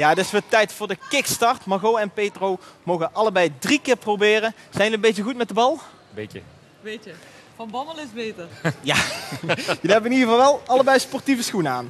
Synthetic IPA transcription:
jaːədɪsʋətɛjtfʊːɹdəkɪkstɑɹtmɑɣowɛnpejtromowɣənʔɑləbɛjdrikɪːɹprowbɪːrə | z̥ɛjnʋəmbejtəɣutmɛt̚dəbɑlˠ | beə | ʋejtə | fɑnbɑnələɪzbejtəɹjaː | jəliɦɛbəɪnidɣəvɑlˠʋɛlˠɑlˠəbɛjspɔɹtivəsxunəaːn

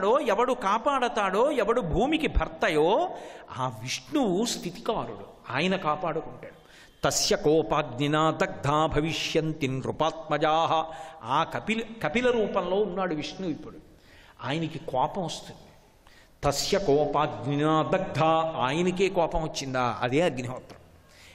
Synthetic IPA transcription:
ɽoːɛʋɐɽukaːpaːɽɐt̪aːɽoːɛʋɐɽubʱuːmikibʱɐɾt̪ɐjoːa̰ːʋiʂɳuwust̪ʰit̪i̥kaːɾuɽu | aːjɐnɐkaːpaːɽukuɳʈaːɽu | t̪ɐsjɐkɔːpaːɡninaːd̪ɐɡ̚d̪ʱaːbʱɐʋiʂjɐnt̪inɾupaːt̪̚mɐd͡ʒaːɦɐaːkɐpilkɐpilɐɾuːpɐnlo̞ːunːaːɽuʋiʂɳuʋipːuɽu | aːjɐnɐkikɔːpɐmʋɐst̪und̪i̥ | t̪ɐsjɐkɔːpaːɡninaːd̪ɐɡ̚d̪ʱaːaːjɐnɐkeːkɔːpɐmʋɐt͡ʃːind̪aːʔɐ̰d̪eːɐɡniɦɔːt̪ɾɐm

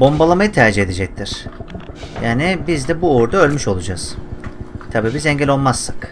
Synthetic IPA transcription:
bo̞mbalˠamajɯt̪ʰæɾd͡ʒiɦe̞d̪ed͡ʒɛc̚t̪ʰiɾ̥ | jaːnibizd̪ɛbuoɾd̪aø̞lʲmyʃo̞lˠud͡ʒaz̥ | t̪ʰabiːbizɛɲɟɛlʲo̞lˠmasːḁk

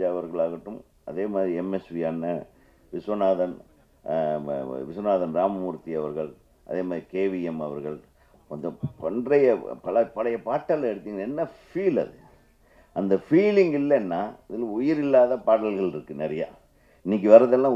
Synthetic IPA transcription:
aɐʋɐɾɣɐɭaːɣɐʈːɯm | ʔɐ̰ðeːmaːðɾiɛmɛsʋiaːnːɐ | ʋɪsʋɐnaːðɐn | ʋɪsʋɐnaːðɐnɾaːmɐmuːɾt̪ːiɐʋɐɾɣɐɭ | ʔɐ̰ðeːmaːðɾikeːʋɪɛmɐʋɐɾɣɐɭ | ɐnd̪ɯpɔɳdrɐjɐpɐɭɐpɐlɐjɐpaːʈːɐlɐɛɽɯt̪ːiːŋɡɐɭɛnːɐfiːlɐ̰ðɯ | ʔɐnd̪ɐfiːlɪŋɡɪlːɐnːaːɪðɪlɐ̃ʊjɪɾɪlːaːðɐpaːɽɐlɣɐɭɪɾɯkːɯnɛɾɐja̰ː | ɪnːik̬ːɯʋɐɾɐðɐlːãː

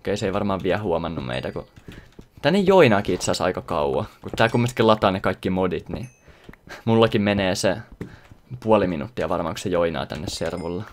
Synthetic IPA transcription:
keiseiʋɑrmɑːʋʋiæhuomɑnːummḛit̪ækṵ | t̪ænːejjoinɑːkiit̪sæˑsɑ̰ikɑkɑ̰uwɑ̰kut̪t̪ːæːkumːest̪kilɑt̪ɑːnekɑikːimodit̪nḭ | mulːɑkimmeneːse | puoliminṵt̪ːiɑʋɑrmɑ̰ːŋkusejoinɑ̰ːt̪æ̰nːesserʋulːɑ

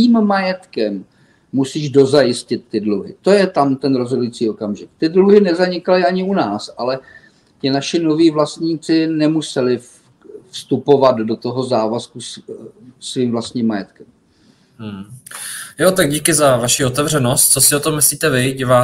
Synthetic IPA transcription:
iːmmajɛt̪kɛmː | usiːʒdo̞zajɪscɪt̪ːɪdluɦɪ̰t̪o̞jɛt̪amt̪ɛnɾo̞zɦo̞dujit͡siːo̞kamʒɪkt̪ɪdluɦɪnɛzaɲɪkalɪaɲɪunaːsʔalɛ | cɪnaʃɪno̞viːvlast̪ɲiːt͡sɪnɛmusɛlɪf | fst̪upo̞vad̪do̞t̪o̞ɦozaːvaskus | sviːmvlast̪ɲiːmːajɛt̪kɛm̩ | jot̪aɡ̚ɟiːkɪzavaʃiot̪ɛvr̝ɛnost̪̚t͡sosɪot̪omːɪsliːt̪ɛvɪɟivaː

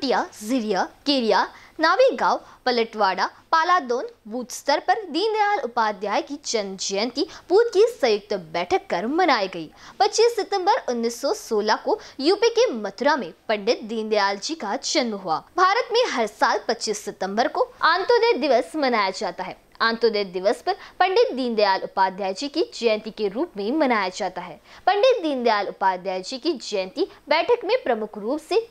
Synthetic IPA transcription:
ʈijazɪɾijakeːɾijanaːʋiɡaːʋpɐləʈʋaːɽapaːlaːd̪oːnbuːt̪st̪əɾpɐɾd̪iːnd̪jaːlʊpaːd̪jaːjkid͡ʒɐnd͡ʒɐjə̃nt̪ibuːt̪kisɐjʊk̚t̪bɛːʈʰəkːɐɾmɐnaːiɡɐḭːpɐtːt͡ʃiːsːɪt̪ə̃mbəɾʊnːiːsːɔsoːlakojuːpikemɐt̪ɾamẽpɐ̃ɳɖɪt̪̚d̪iːnd̪jaːld͡ʒikad͡ʒɐnməɦʊa̰ːbʱaːɾət̪mẽɦɐɾsaːlpɐtːt͡ʃiːsːɪt̪ə̃mbəɾkoãːnt̪od̪əd̪ɪʋəsmɐnaːjad͡ʒaːt̪aɦɛ̰ː | ãːnt̪oːd̪əd̪ɪʋəspɐɾpɐ̃ɳɖɪt̪̚d̪iːnd̪jaːlʊpaːd̪jaːjd͡ʒikid͡ʒɛ̃nt̪ikeɾuːpmẽmɐnaːjad͡ʒaːt̪aɦɛːpɐ̃ɳɖɪt̪̚d̪iːnd̪jaːlʊpaːd̪jaːjd͡ʒikid͡ʒɛnt̪ibɛːʈʰəkmẽpɾɐmʊkʰɾuːpse

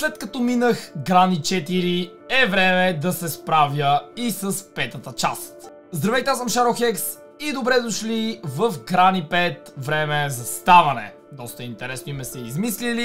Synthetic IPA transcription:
slɛt̪kɐt̪ɔminəxɡɾanit͡ʃɛt̪iɾi | ɛvɾɛmɛd̪ɐsɛspɾavjəisəspɛt̪ət̪ət͡ʃast̪ | zd̪ɾɐvɛt̪ɛasəmʃaɾoxɛks | id̪obɾɛd̪oʃlivəfɡɾanipɛt̪vɾɛmɛzɐst̪avɐnɛ̰ | d̪ɔst̪əɛint̪ɛɾɛsnoimɛsɛizmislili

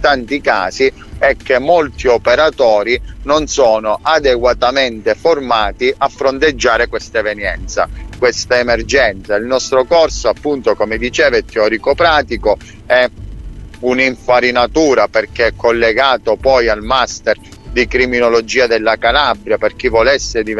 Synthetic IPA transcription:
t̪ant̪ika̰ːsi | ɛk̟ːemːolt̪iopeɾat̪ɔːɾinonsɔːnoʔad̪eɡwat̪ament̪eformaːt̪iʔafːɾont̪ed͡ʒːaːɾekwest̪aevenjɛnt̪sa̰kwest̪aemerd͡ʒɛnt̪sailnɔst̪ɾokɔrsoapːunt̪okomed̪it͡ʃɛːvet̪eɔːɾikopɾaːt̪iko | ɛ | uniɱfaɾinat̪uːɾaperk̟eɛkːolːeɡaːt̪opɔjalmast̪ɛrd̪ikɾiminolod͡ʒiːad̪elːakalabɾjaperk̟ivːɔlɛsːed̪i

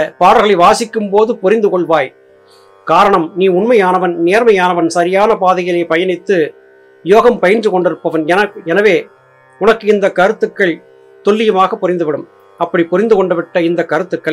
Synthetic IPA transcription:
ɐpaːɽɐɣɐɭɐɪʋaːsɪkːɯmpoːðɯpʊɾɪnd̪ɯkɔɭʋaːj | kaːɾɐɳɐmniːʊnmɐjaːnɐʋɐnneːɾmɐjaːnɐʋɐnsɐɾɪjaːnɐpaːðɐɣɐlɐɪpɐjɐnɪt̪ːɯ | joːɣɐmpɐjɐnd͡ʒɯkɔɳɖɪɾɯpːɐʋɐnɛnɐɛnɐʋeː | ʊnɐkːɯɪnd̪ɐkːɐɾɯt̪ːɯkːɐɭ | t̪ɔɭːɪjɐmaːɣɐpːɔɾɪnd̪ɯʋɪɽɯm | ɐpːɐɽipʊɾɪnd̪ɯkɔɳɖɐʋɪʈːɐɪnd̪ɐkːɐɾɯt̪ːɯkːɐ

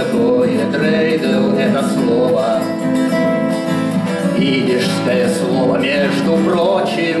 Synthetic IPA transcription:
k̪ojɛt̪ɾɛjd̪əlˠɛt̪əslˠovə | vʲidʲɪʂskəjəslˠovəmʲeʐd̪ʊpɾot͡ɕɪj

